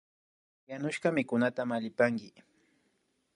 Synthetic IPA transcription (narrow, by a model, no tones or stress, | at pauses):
janʊʃkɑmɪkʊnat̪amaʎɪpaŋkɪ